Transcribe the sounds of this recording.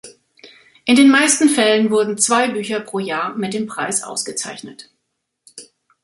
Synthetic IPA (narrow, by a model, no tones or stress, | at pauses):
ʔɪndeːnmaɪstn̩fɛlənvʊɐdn̩t͡sv̥aɪbyːçɐpʁ̥oːjaːɐmɪt̚d̥eːmpʁ̥a̰ɪsʔa̰ʊsɡ̥ət͡sa̰ɪçnət